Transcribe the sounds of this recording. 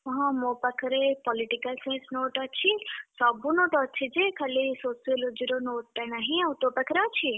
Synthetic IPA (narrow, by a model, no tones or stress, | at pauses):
ɦãmõːpɐkʰɾepɔliʈikɐlsẽsnoːʈɔt͡ʃʰisabunoːʈɔt͡ʃʰid͡ʒekʰɐlisoːsijəlɔd͡ʒiɾonoːʈːɐnɐɦĩawt̪opɐkʰɾat͡ʃʰi